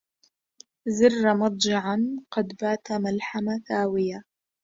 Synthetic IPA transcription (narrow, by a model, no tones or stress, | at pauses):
zɪrːamɑt̪ˤd͡ʒɪʕanqɑd̪baːt̪amalħamaθaːwɪja